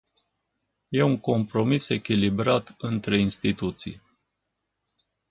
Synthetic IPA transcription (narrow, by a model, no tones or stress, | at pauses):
je̞uŋko̞mpɾo̞mise̞kʲilibɾat̪ɨnt̪ɾe̞inst̪it̪ut̪sḭj